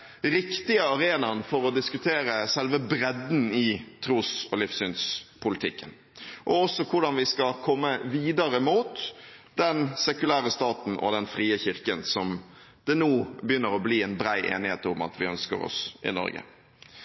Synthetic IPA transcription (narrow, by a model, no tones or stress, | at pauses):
ɾɪkt̪ɪəɑɾeːnɑnfɔɾɔd̪ɪskʉt̪ʰeːɾəsɛlʋəbɾɛd̪n̩ɪt̪ʰɾuːsɔlɪfsyːnspʰʊlɪt̪ʰɪkːən | ʔɔɔsːɔkʰʊɖɑnʋɪskɑkʰɔmːəʋiːd̪ɑɾəmuːt̪d̪ɛnsɛkʉlæːɾəst̪ɑːt̪n̩ʔɔ̰d̪ɛnfʁiːəçɪɾkənsɔm | d̪̥ɛnuːbəjʏnːəɾɔbliːɛnbɾæɪʔḛːnɪheːt̪ʊmɑ̰t̪ʰʋɪœnskə̰ɾɔ̰sʔɪ̰nɔ̰ɾɡə̰